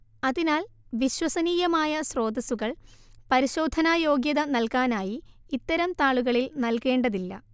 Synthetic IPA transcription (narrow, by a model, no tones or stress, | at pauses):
ɐðinaːlʋiɕwɐsɐniːjɐmaːjɐsro̞ːd̪ɐsuɣɐɭpɐɾiɕo̞ːd̪ʱɐnaːjo̞ːɡjɐðɐnɐlkaːnaːjiːt̪ːɐɾɐmt̪aːɭuɣɐɭilnɐlke̞ːɳɖɐðilːɐ̰